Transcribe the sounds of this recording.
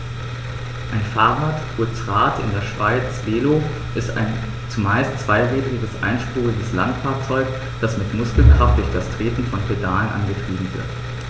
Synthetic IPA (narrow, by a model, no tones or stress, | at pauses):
ʔaɪnfaːʁaːtʔutʁ̥aːtʰɪ̰ndeːɐʃv̥aɪt͡sv̥eːlo | ʔɪsta̰ɪn | t͡sumaɪstt͡sv̥aɪʁɛːdʁɪɡəsʔa̰ɪnʃpʁuːʁɪɡəsla̰ntfaːɐt͡sɔʏk | d̥asmɪtmʊskl̩kʁ̥aft̚d̥ʊɐçd̥astʁ̥eːtn̩fɔnpʰedaːlənʔa̰nɡətʁ̥iːbm̩vɪ̰ɐt